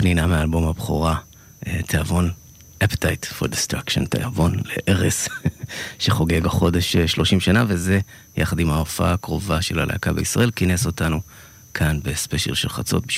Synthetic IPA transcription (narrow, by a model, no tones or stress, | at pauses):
pninameaːlbo̞mhabχoʁa | tʰehavo̞n | ʔaptajtfo̞̰ʁdistʁakʃo̰ntḛhavo̞nlḛʔeʁes | ʃeχo̞ɡe̞ɡaχo̞de̞ʃʃlo̞ʃimʃanave̞ze̞ | ja̰χadimaofakʁo̞vaʃela̰lʔa̰kabeisʁa̰ʔe̞lkineso̞tanu | kʰanbe̞speʃelʃelχat͡so̞̰t̚biʃ